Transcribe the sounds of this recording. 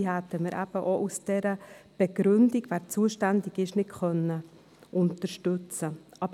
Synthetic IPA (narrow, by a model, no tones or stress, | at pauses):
ihæt̪ːəməɾʔæb̥əʔoʔusd̥ɛɾəb̥eɡɾʏndiɡvæːɾt͡suəʃtændɪɡɪʃnɪtxœnːə | ʔʊnt̪əɾʃtʉt͡səʔɑb